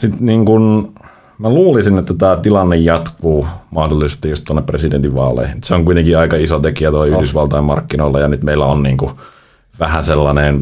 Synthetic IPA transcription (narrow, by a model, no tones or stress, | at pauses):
sit̪niːŋkun | mæluːlisinet̪ːæt̪æːt̪ilɑnːejjɑt̪kuːmɑhdolːˑisest̪ijjust̪oɑnːepresident̪iʋʋɑːlˑḛihinyt̪seoŋkuit̪eŋkiɑikɑisot̪ekiæt̪oiyhdysʋɑlt̪ɑimmɑ̰rkːinoilːɑjɑnyt̪meilːˑæonniːŋku | ʋæhæselːɑnen